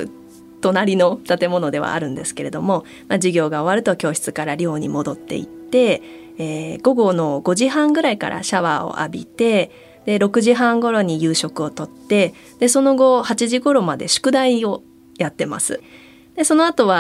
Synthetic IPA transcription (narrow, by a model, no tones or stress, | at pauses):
t̪o̞naɾʲino̞t̪at̪e̞mo̞no̞d̪e̞βa̰ːɾɯ̟̃nd̪e̞sɨ̥ke̞ɾe̞d̪o̞mo̞ | mad͡ʑiɡʲo̞ːɡao̞βaɾɯ̟t̪o̞kʲo̞ːɕi̥t͡sɨkaɾaɾʲo̞ːɲ̟ḭmo̞d̪o̞t̪ːe̞̰ḭt̪ːe̞ː | ɡ̥o̞ɡo̞no̞ɡo̞ʑiɦãŋɡɯ̟ɾaika̰ɾʔa̰ɕaβaːo̞̰ʔa̰bʲit̪e̞ | d̪̥e̞ɾo̞kɯ̟ʑiɦãŋɡo̞ɾo̞ɲ̟ijɯ̟ːɕo̞kɯ̟o̞t̪o̞t̪ːe̞ | d̪̥e̞so̞no̞ɡo̞hat͡ɕiʑiɡo̞ɾo̞mad̪e̞̰ɕɨ̥kɯ̟d̪aio̞ | jat̪ːe̞ma̰sɨ̰ | d̪̥e̞so̞noat̪o̞βa